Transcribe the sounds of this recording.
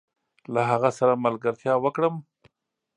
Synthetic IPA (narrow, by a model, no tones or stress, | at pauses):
laɦaɣasaɾamalɡaɾt̪ʰjɑwəkɽəm